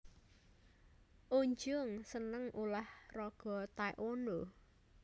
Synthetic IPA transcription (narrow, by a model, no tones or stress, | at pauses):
ʔoɲd͡ʒʊŋsənəŋʔulahrɔɡ̥ɔ̤t̪aj̰ʔondo